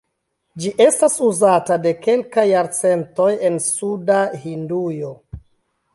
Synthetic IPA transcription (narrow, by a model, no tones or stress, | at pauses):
d͡ʒiʔe̞stasuzatade̞ke̞lkajːaɾt͡se̞nto̞je̞nsudahindujo̞